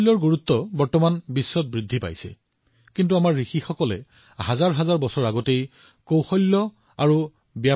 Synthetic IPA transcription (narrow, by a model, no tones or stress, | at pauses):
lːɔɹɡuɹutːɔbɔɹtɔmanbisːɔt̚bɹidʱːipa̰jsɛ̰ | kintuamaɹːixixɔkɔlɛ̰ | hazaɹɦazaɹbɔsɔɹaɡɔtej | kowxɔjlːɔ | aɹu | bja